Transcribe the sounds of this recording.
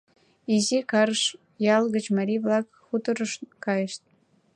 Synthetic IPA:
izikɑɾʃ | jɑlˠɣə̆t͡ɕmɑɾʲiβlɑk | xut̪ə̆ɾə̆ʃkɑjəʃt̪̚

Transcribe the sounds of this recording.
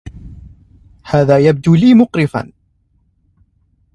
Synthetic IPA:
hæːðæːjab̚d̪uliːmʊqɾɪfa̰n

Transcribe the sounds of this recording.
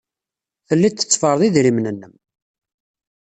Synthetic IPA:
θəlːit̪ːə̥t͡sːfəɾˤðˤiðɾimnənːəm

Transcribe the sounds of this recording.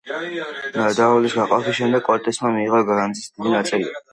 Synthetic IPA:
nad̪aɔlisɡaqʼapisʃɛmd̪ɛɡkʼɔɾt̪ʼɛsmamiːʁaɡaɾand̪zisd̪id̪inat̪sʼilḭa

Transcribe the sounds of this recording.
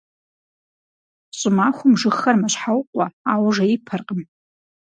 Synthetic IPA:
ɕʷʼɪmaχʷʊmʐɨxːɐrmaʃħawqʷʼaawʐaipʰarqʼəm

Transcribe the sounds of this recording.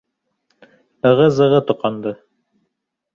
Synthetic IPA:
ɤʁɤzɤ̆ʁɤt̪ŏqɑnd̪ɤ

